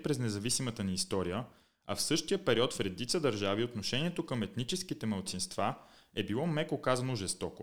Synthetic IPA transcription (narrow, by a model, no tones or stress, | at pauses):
pɾɛznɛzɐvisimət̪əniːst̪ɔɾijə | ɐ̰fsɤʃt̪ijəpɛɾiɔt̪fɾɛd̪it̪səd̪əɾʒaviot̪noʃɛniɛt̪okəmɛt̪nit͡ʃɛskit̪ɛməlˠt̪sinst̪vaɛbilˠɔmɛkokazɐnoʒɛst̪ɔko̰